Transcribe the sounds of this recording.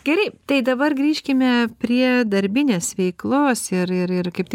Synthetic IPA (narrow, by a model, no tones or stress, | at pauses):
ɡʲɛɾʲɛɪt̪ɐɪd̪ɐbɐrɡɾʲiːʃʲkʲɪmʲɛpʲɾʲiɛd̪ɐɾʲbʲɪnʲeːsʋʲɛɪklˠoːsɪɾɪɾɪrkɐɪp̚t̪ʲ